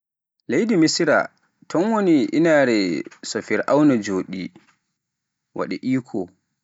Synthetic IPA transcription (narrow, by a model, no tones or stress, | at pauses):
lejdimisɾa̰ | tʰɔnwoniʔinaɾɛsɔfiɾʔawnad͡ʒoːɗḭ | wʔa̰ɗɛ̰ʔiːkʰɔ